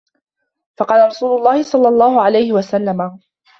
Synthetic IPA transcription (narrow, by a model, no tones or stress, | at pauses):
fɑqɑːlaɾˤɑsuːlʊlˤːɑːhɪsˤɑlːɑlˤːɑːhʊʕalajhɪwasalːama